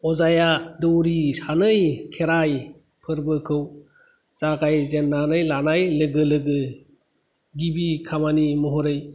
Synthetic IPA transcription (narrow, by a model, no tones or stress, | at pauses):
ɔzajadɯwɾisanɯjkʰeɾaj | pʰɯɾbɯkʰɯw | zaɡajzenːanɯjlanajlɯɡɯlɯɡɯ | ɡibikʰamanimɔɦɔɾɯj